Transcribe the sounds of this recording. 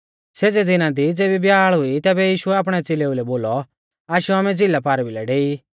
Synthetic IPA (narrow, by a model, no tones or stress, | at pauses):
seːd͡zed̪ɪnãd̪id͡zeːbibjaːɭɦʊit̪ɛːbɛjiːʃʊɛaːp̬ɽ̃ɛt͡seleulɛboːlɔ | aːʃuaːmɛ̃d͡zilapaːɾbilɛɖeːi